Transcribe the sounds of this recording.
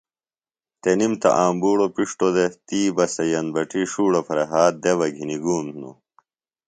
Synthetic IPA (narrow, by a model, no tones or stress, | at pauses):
t̪enimt̪ɐ̰ʔaːmbuːɽopiʂʈod̪et̪iːbɐsɐjɐnbɐʈiʂuːɽofɐɾeɦaːt̪̚d̪eβɐɡʱiniɡuːmno̰